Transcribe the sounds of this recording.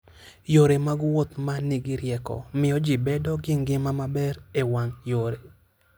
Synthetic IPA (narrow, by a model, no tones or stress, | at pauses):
joɾemaɡwot̪maniɡiɾjɛkɔ̰mɪɔd͡ʒibɛdɔɡɪŋɡɪmamabɛɾewaŋjoɾe